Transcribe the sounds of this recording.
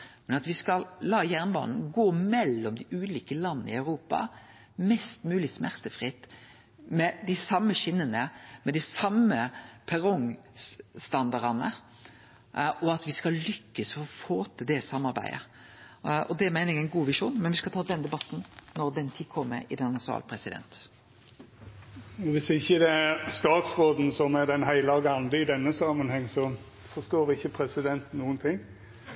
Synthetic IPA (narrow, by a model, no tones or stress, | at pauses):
mɛnɑt̪ʋɪskɑllɑːjæʁnbɑ̰ːnn̩ɡoːmɛlːɔmd̪ɪʔʉːliːkəlɑnːɪ̰ɑʉɾuːpɑ̰ | mɛst̪mʉːlɪsmæʁt̪əfʁɪt̪ː | mɛd̪ɪsɑmːəʃɪnːənəmɛd̪ɪsɑməpʰɛʁɔŋ | st̪ɑnd̪ɑʁɑnə̰ | ʔɔɑt̪ʋɪskɑllʏkːəsfɔɔfoːt̪əd̪ɛsɑmːɑɾbæ̰ɪə̰ | ɔd̪ɛæmæɪnɪŋæɪnɡuːʋɪʂuːnmɛnʋɪskɑt̪ʰɑːd̪ɛnd̪ɛbɑt̪nnɔɾd̪ɛnt̪ʰikʰɔmːə̰ɪ̰d̪ɛnnɑsɑ̰ːlpʰɾɛsɪd̪ɛ̰nt̪ | ʋɪsɪçːəd̪ɛæɾst̪ɑːt̪sɾoːd̪n̩sɔmæd̪ɛnɦæɪləɔɡɑnd̪əɪd̪ɛnːəsɑmənhɛŋːsɔ | fɔst̪oːɾɪçːəpʰɾɛsɪd̪ɛnt̪nuːənt̪ʰɪŋː